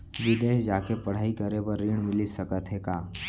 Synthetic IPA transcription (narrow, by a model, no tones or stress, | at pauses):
ʋɪd̪eːd͡ʒaːkepɐɽ̤aːikəɾebəɾːiɽ̃mɪlisəkət̪ɦekaː